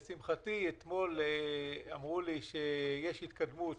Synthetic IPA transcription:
simχat̪iet̪mo̞l | amʁuliʃejeʃhit̪kad̪mut̪

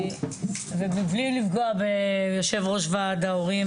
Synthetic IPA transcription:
vebiblilivɡoabejoʃe̞vʁo̞ʃvad̪aoʁi

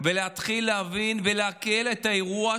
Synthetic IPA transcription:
veleat̪χilːeavinveleakeletaeʁua

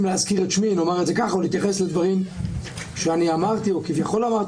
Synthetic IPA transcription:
mleazkiʁet̪ʃminomaʁetzekaχaolit̪jaχesled̪vaʁim | ʃeaniamaʁt̪iokivjaχo̞lamaʁ

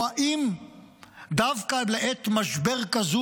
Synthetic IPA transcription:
aʔim | d̪avkaleʔet̪maʃbeʁkazu

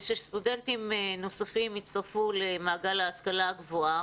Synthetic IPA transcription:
ʃest̪udentimeno̞safimit͡saʁfulemaːɡalaːskalaɡvoa

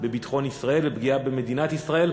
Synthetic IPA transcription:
be̞bit̪χo̞nisʁae̞lvebɡiabeme̞d̪inat̪isʁae̞l

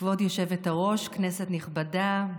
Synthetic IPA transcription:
vo̞djo̞ʃe̞vetaʁo̞ʃknesetniχbada

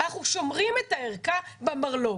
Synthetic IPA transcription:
aχuʃo̞mʁimet̪aeʁkabemaʁlo

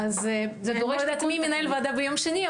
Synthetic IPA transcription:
azzeɡoʁeed̪at̪miminajlvad̪abejomʃeni

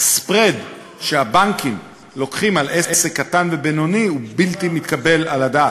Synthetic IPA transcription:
spʁed | ʃeabaŋkim | lo̞kχimalʔeʔesekːatanvebeno̞niubiltimit̪kabe̞laladaː

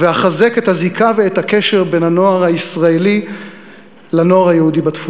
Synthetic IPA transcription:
veaχaze̞kethazikʰaveethake̞ʃe̞ʁbe̞nhano̞aʁhaisʁaeli | lano̞aʁhajeudibat̪fu

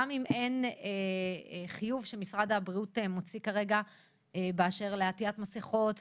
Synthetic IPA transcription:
amime̞ne | χijuvʃemisʁad̪habʁiutemot͡sikaʁe̞ɡa | ebeaʃe̞ʁleatiatmaseχo̞t

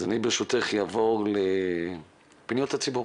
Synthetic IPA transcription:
zanibeʃut̪eχjavoʁle | pnijout̪at͡sibu

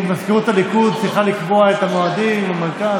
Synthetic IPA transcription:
maskeʁut̪alikud̪̚siχalikboaet̪amoad̪imlemeʁka

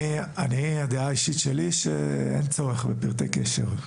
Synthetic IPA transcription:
aniad̪eaiʃit̪ʃeliʃḛḛnt͡soʁeχbepiʁt̪ḛkeʃḛʁ

